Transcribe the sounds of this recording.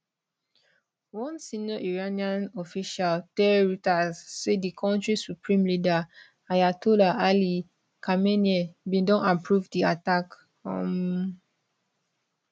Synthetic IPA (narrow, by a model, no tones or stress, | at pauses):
wɔ̃nsinɔʔiɹaniãnɔfiʃaltɛɹitazːedikʰɔ̃ntɹisupɹĩmlida | ajatulaʔali | kʰameniɛbĩdɔ̃napɹuvdiatak | hɔ̰̃m